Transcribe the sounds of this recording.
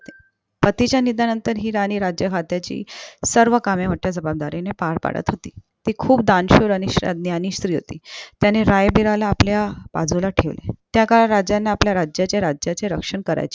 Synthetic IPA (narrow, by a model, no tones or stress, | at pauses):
t̪e̥ | pət̪it͡ɕjanid̪ʱanənt̪əɾɦiːɾañiːɾad͡ʑjəkʰat̪jat͡ɕḭːsəɾʋəkamjam̤əʈːjad͡zəbab̚d̪aɾinepaɽpa̰ɽə̰t̪ɦot̪ḭː | t̪iːkʰuːp̚d̪anɕuɾəniɕɾa̰d̪njaniːɕt̪ɾiːɦo̰t̪ḭːt̪janeɾajbiɾalaːpljapa̰d͡zulaʈʰeʋlḛt̪jakaɭaɾad͡ʑjanːaːpljaɾad͡ʑjat͡ɕjaɾad͡ʑjat͡seɾəkʂəɳkəɾa̰jt͡ɕe̥